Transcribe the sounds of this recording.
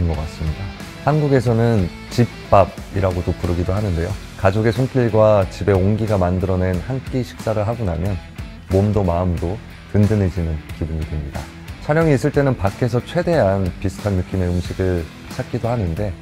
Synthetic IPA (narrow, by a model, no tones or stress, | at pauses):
ɯnɡʌk͈as͈ɯmɲida | hanɡuɡe̞s̬ʰʌnɯn | t͡ɕip͈ːab̚iɾaɡodopuɾɯɡidoɦanɯnde̞jo | kad͡ʑoɡe̞sʰoŋk͈iɭɡwat͡ɕibe̞oŋɡiɡamandɯɾʌne̞nhank͈eɕʰi̥k̚s͈aɾɯɭɦaɡonamjʌn | momdomaɯmdo | tɯndɯned͡ʑinɯnkibuɲitwe̞mɲida̰ | t͡ɕʰaɾjʌŋiːs͈ɯɭt͈e̞nɯnpakʰe̞sʰʌt͡ɕʰwe̞de̞ɦanpisʰɯ̥tʰanːuk͈ime̞ɯmɕʰiɡɯɭ | sʰak͈idohanɯnde̞